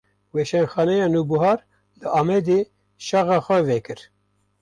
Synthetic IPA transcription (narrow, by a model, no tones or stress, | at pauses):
wɛʃɛnxɑːnɛjɑːnubuɦɑːɾ | lɨʔɑːmɛd̪eː | ʃɑɣɑːxʷɛvɛkɨɾ